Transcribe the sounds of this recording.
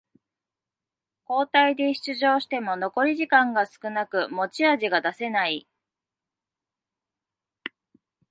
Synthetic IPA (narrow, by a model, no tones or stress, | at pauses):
ko̞ːt̪aid̪e̞ɕi̥t͡sɨʑo̞ːɕi̥t̪e̞mo̞no̞ko̞ɾʲiʑikãŋɡasɨ̥kɯ̟nakɯ̟mo̞t͡ɕiaʑiɡad̪ase̞nai